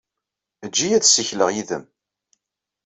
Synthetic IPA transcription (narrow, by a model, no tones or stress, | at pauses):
d͡ʒːijæðsiçləʁjiðə̰m